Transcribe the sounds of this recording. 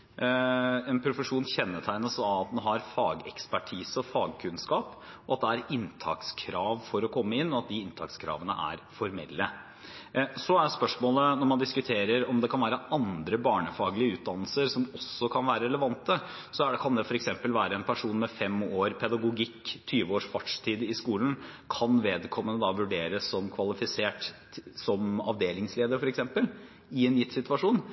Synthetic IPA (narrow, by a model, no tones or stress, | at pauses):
ɛnpʰɾʊfəʂuːnçɛnːəʈʰæɪnəsɑʋɑt̪̚d̪ɛnɦɑɾfɑːɡɛ̰kspæʈʰiːsəɔfɑːɡkʰʉnskɑːpɔɑt̪̚d̪ɛæɾɪnt̪ʰɑ̰ːkskʰɾɑːʋfɔɾɔkʰɔmːəɪnːɔɑt̪̚d̪ɪɪnt̪ʰɑ̰kskʰɾɑ̰ːʋənə̰ʔæ̰ɾfɔɾmɛ̰lːə | sɔæɖspœʂmoːlənɔɾmɑnd̪ɪskʉt̪ʰeːɾəɾɔmd̪ɛkʰɑnʋæːɾəʔɑnd̪ɾəbɑːɳəfɑːɡəlɪəʉːt̪̚d̪ɑnəlsəɾsɔmɔsːɔkʰɑnʋæːɾəɾɛləʋɑnt̪ə | sɔæɖɛkʰɑnd̪ɛfɔɾɛksɛmpəlʋæːɾəɛnpʰæʂuːnmɛfɛmoːɾpʰɛd̪ɑɡʊɡɪkːt̪ʰyːʋəoːʂfɑʈʂt̪ʰiːd̪ɪskuːlən̩kʰɑnʋeːd̪kʰɔmːənəd̪ɑʋʉɖeːɾəsːɔmkʰʋɑlɪfɪseːʈ | sɔmɑ̰ʋd̪eːlɪŋsleːd̪əɾfɔɾɛksɛmpəl | ɪɛnjɪt̪ːsɪt̪ʉʋɑʂuːn